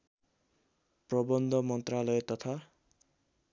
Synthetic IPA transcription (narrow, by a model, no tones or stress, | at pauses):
prʌbʌnd̪ʱʌmʌnt̪ralʌjet̪ʌt̪ʰa